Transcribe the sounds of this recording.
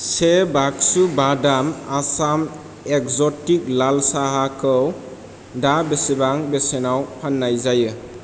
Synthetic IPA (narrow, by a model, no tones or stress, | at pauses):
sebak̚subadamasam | ekzɔtik̚lalsaɦakʰɯw | dabesibaŋbesenawpʰanːajzajɯ